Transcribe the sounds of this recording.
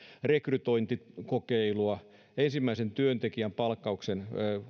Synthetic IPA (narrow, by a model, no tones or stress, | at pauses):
rekryt̪oint̪ikokeiluɑ | ensimːæisent̪yønt̪ekiæmpɑlkːɑuksenː